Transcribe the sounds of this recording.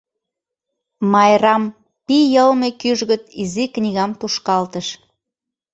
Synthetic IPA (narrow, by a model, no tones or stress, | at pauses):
mɑjɾɑm | pijəlmekyʒɣət̪iziknʲiɣɑmt̪uʃkɑlt̪əʃ